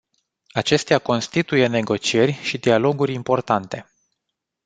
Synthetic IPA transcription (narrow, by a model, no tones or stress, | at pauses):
at͡ʃe̞st̪eako̞nst̪it̪uje̞ne̞ɡo̞t͡ʃie̞rʲʃid̪ialo̞ɡuɾʲimpo̞rt̪ant̪e̞